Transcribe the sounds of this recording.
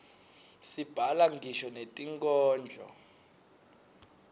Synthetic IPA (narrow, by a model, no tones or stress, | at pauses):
sib̥ʱalaŋɡʱiʃɔnetʼiŋkʼɔːnd͡ɮʱɔ̰